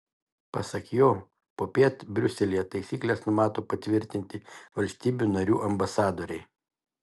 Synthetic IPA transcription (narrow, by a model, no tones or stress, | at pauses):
pɐsɐkjoː | poːpʲiɛt̪bʲɾʲʊsʲɛlʲijɛt̪ɐɪsʲiːklʲeːsnʊmɑːt̪oːpɐt̪ʲʋʲɪɾʲt̪ʲɪnʲt̪ʲɪʋɐlʲsʲt̪ʲiːbʲunɐɾʲuːʔɐmbɐsɑːd̪oːɾʲɛɪ